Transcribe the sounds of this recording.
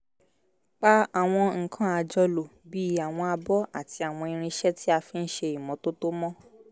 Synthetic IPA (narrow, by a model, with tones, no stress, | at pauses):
k͡pa˦a˨w̃ɔ̃˧ŋ̩˨kʰã˦a˧d͡ʒɔ˧lo˨bi˦a˨w̃ɔ̃˧a˧bɔ˦a˦˨ti˧a˨w̃ɔ̃˧i˧ɾ̃ĩ˧ʃɛ˦ti˦a˧fĩ˦n̩˦ʃe˧i˨mɔ̃˨˦to˦to˦mɔ̃˦